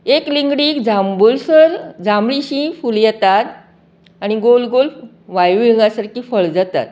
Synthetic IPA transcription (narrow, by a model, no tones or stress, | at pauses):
ekliŋɡɽiːkd͡zambulsəɾd͡zamɭiɕĩfuljɛt̪at̪ | añiɡolɡol | ʋajujiŋɡasaɾkiːfəɭd͡zat̪a̰t̪̚